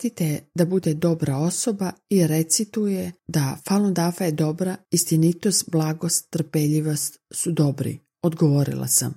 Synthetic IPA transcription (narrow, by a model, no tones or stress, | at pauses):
t̪it̪ed̪abud̪e̞d̪o̞bɾao̞so̞baiɾe̞t̪sit̪ujed̪afalˠond̪afajed̪o̞bɾaist̪init̪ost̪blˠaɡo̞st̪ːr̩peʎiʋo̞st̪sud̪o̞bɾḭ | od̪ɡoʋo̞ɾḭlˠa̰sa̰m